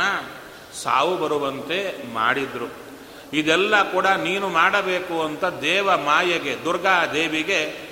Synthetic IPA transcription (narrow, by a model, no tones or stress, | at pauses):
ɐ | sa̰ːʋubɐɾuʋɐnt̪e̞ma̰ːɽid̪ɾu | id̪ɛlːɐkuːɽɐniːnumaːɽɐbe̞ːkuɐnt̪ɐd̪ɛːʋɐmaːjɐɡe̞d̪uɾɡaːd̪eːʋiɡe̞